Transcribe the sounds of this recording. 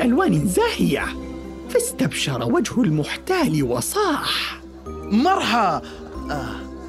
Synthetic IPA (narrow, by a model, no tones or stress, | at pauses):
ʔalwaːnɪnzaːhɪja̰ | fast̪abʃɑɾˤɑwad͡ʒhʊlmʊħt̪aːliwɑsˤɑːħ | mɑɾˤhɑ